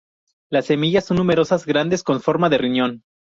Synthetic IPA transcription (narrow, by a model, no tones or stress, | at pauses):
lasːe̞miʝasːo̞nːume̞ɾo̞sazɡɾand̪e̞sko̞ɱfo̞ɾmaðe̞rinjo̞n